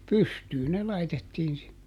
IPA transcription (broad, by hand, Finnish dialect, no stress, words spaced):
pystyː ne lɑitetːiːn sinːe